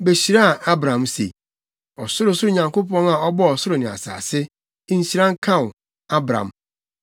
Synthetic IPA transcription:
be˨ɕi˨ɾa˦a˨a˦bɾã˨msḛ˨ | ɔ˨sʊ˦ɾʊ˨sʊ˦ʊ˦˨ɲã˨ŋko˦pɔ̃˦na˨ɔ˦bɔ˦ɔ˨sʊ˦ɾʊ˨nɪ̃˨a̰˨sa̰ː˨sɪ˦ | n̩˦ɕi˨ɾã˦ŋ̩˦kʰã˦˨ʊ˨ | a˦bɾã̰˨m

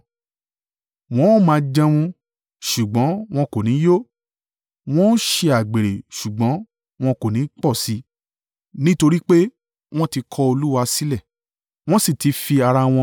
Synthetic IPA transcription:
w̃ɔ̃˦o˦mãː˨˧˦d͡ʒɛ̃˧w̃ũ˧ | ʃu˨ɡ͡bɔ̃˨˦w̃ɔ̃˧ko˨nĩ˨˦jo˦ | w̃ɔ̃˦n˦ʃe˧a˨ɡ͡be˨ɾe˨ʃu˨ɡ͡bɔ̃˨˦ | w̃ɔ̃˧ko˨nĩ˨˦k͡pɔ˦˨si˨˦ | nĩ˦to˧ɾi˦k͡pe˦ | w̃ɔ̃˦ti˧kʰɔ˧o˧lu˦wa˧si˦lɛ˦˨ | w̃ɔ̃˦si˦˨ti˨˦fi˧a˧ɾa˧w̃ɔ̃˧

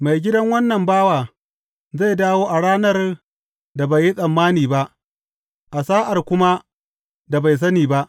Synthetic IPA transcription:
ma˨jɡʲɪ˦dɐ˦ŋwɐ˦nːɐ˨mbaː˦waː˨ | za˦˨jdaː˦woː˦ʔa˨ɽaː˦nɐ˦r | da˨ba˨jːi˦sʼɐ˨mːaː˦niː˨ba˦ʔ | ʔa˨saː˦ʔa˨rkʷʊ˦ma˦ | da˨ba˨js̬ɐ˦niː˨ba˦ʔ

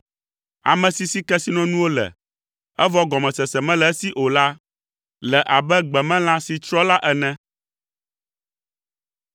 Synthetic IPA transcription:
a̰˨mɛ̃˨si˨si˦kɛ˦si˦nɔ̃˦nũ˦wo˦lɛ̰˨ | ɛ˦vɔ˦ɡɔ˨mɛ̃˨sɛ˨sɛ˨mɛ̃˦lɛ˨˦si˦ʔo˨la˦ | lɛ˨ʔa˨bɛ˦ɡ͡bɛ˨mɛ̃˦l̃ã˦si˨t͡ʃɾɔ˦la˦ʔɛ˨nɛ̃˦

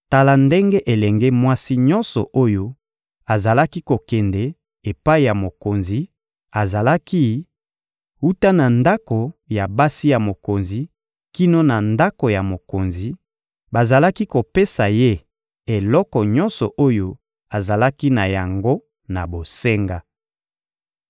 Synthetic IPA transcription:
ta˨la˨nde˦ŋɡe˦ʔe˨lɛ˨ŋɡe˦mwa˦si˦ɲɔ̃˦nsɔ˨ʔo˦jo˦ | a˨za˨la˦ki˦ko˨kɛ˨ndɛ˨ | e˨pa˦i˨ja˨mo˨ko˨nzi˨˦ | a˨za˨la˦ki˦ | u˦ta˦na˨nda˦ko˨ja˨ba˦si˦ja˨mo˨ko˨nzi˨ | ki˦no˦na˨nda˦ko˨ja˨mo˨ko˨nzi˨ | ba˨za˨la˦ki˦ko˨pe˦sa˨je˦ | e˨lɔ˦kɔ˨ɲɔ˦nsɔ˨ʔo˦jo˦ | a˨za˨la˦ki˦na˨ja˨ŋɡo˦ | na˨bo˨se˦ŋɡa˦

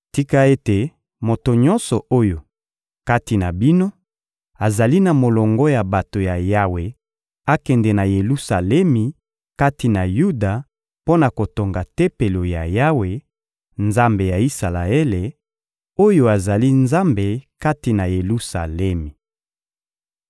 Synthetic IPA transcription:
ti˦ka˦e˦te˨ | mo˨to˨ɲɔ̃˦nsɔ˨ʔo˦jo˨ | ka˦ti˨na˨bi˦no˦ | a˨za˨li˦na˨mo˨lɔ˨ŋɡɔ˦ja˨ba˨to˨ja˨ja˦we˨ | a˦kɛ˨ndɛ˨na˨je˨lu˦sa˨lɛ˦mi˨ | ka˦ti˨na˨ju˦da˨ | po˦na˨ko˨to˨ŋɡa˨te˦pe˨lo˨ja˨ja˦we˨ | nza˦mbe˨ja˨i˦sa˨la˨e˦le˨ | o˦jo˦a˨za˨li˦nza˦mbe˨ka˦ti˨na˨je˨lu˦sa̰˨lɛ˦mi˨

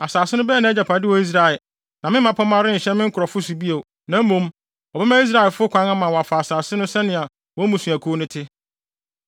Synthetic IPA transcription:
a˨saː˨sɪ˦nʊ̃˦bɛː˦˨nã˨ɛ˦d͡ʑa˨pʰa˨dɪ˦wɔ˨i˦s̬ɾa˨ɪ˨ | nã˨mɪ̃˦ã˨pʰɔ˦mã˦ɾɪ˦n̩˨ɕɛ˦mɪ̃˦ŋ̩˦kʊ˨ɾɔ˨fʊ˦s̬ʊ˨bi˦o˨ | nã˨˦mõ˨˦m | ɔ˨bɛ˦mã˦i˦s̬ɾa˦ɛ˨fʊ˦kʰʷã˨˦na˦mã˨wɔ˨a˨fa˨a˨saː˨sɪ˦nʊ̃˦sɛ˦nɪ̃˨a˨ | wɔ˦mũ˨sũ˨æ˨kʰo˦nʊ̃˦tʰɪ˦

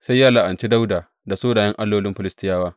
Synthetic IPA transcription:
sa˦jːaː˦la˨ʔa˨nt͡ʃi˦da˦wdaː˨ | da˨soː˦daː˨jɐ˦ŋʔa˦lːoː˦lɪ˦mɸɪ˨lɪ˦stɪ˦jaː˦waː˦

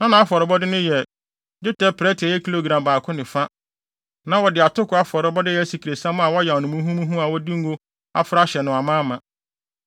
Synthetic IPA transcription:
nã˦nã˨a˦fɔ˨ɾɪ˨bɔ˦dɪ˦nʊ̃˦jɛ˨ | d͡ʑʊ˦tɛ˦pʰɾɛ˦tʰɪ˨ɛ˨jɛ˦kʰi˦lo˦˨ɡɾã˨mbaː˨kʰʊ˦nɪ̃˨fa˦ | nã˦wɔ˨dɪ˨a˨tʊ˦kʰʊ˨˦a˦fɔ˨ɾɪ˨˦bɔ˦dɪ˦jɛ˨˦si˨ki˨ɾe˨sã˦m˦a˨wɔ˦jɛ˨wɔ˨nʊ̃˨mũ˦ɦũ˦mũ˦ɦũ˦a˨wɔ˦di˦ŋ̩˦ɡo˦ | a̰˨fʊ˦ɾa˦ɕɛ˨nʊ̃˨a˨mãː˦mã˨

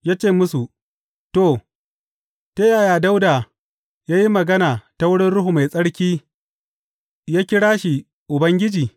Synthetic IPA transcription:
jaː˦t͡ʃeː˦˨mʊ˦su˨ | to˦˨ | te˦jaː˨jaː˨da˦wda˨ | jaː˦ji˦mɐ˨ɡɐ˦naː˨ta˦wʊ˦ɽɪ˦nɽʊ˦ɦu˨ma˨jsʼɐ˦ɽkʲiː˦ | jaː˦kʲɪ˦ɽaː˦ʃi˨ | ʔʊ˨bɐ˦ŋɡʲɪ˦d͡ʒiː˨

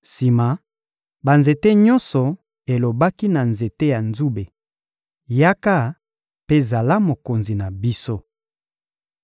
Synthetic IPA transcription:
si˨ma˨ | ba˨nze˨te˦ɲɔ˦nsɔ˨ | e˨lo˨ba˦ki˦na˨nze˨te˦ja˨nzu˦be˨ | ja˦ka˦ | pe˦˨za˨la˦mo˨ko˨nzi˨na˨bi˦so˦

